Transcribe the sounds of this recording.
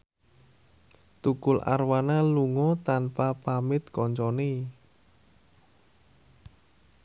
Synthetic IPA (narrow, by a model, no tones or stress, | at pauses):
t̪ukʊlʔa̰rwanaluŋɔt̪anpapamɪt̪̚kɔɲt͡ʃɔne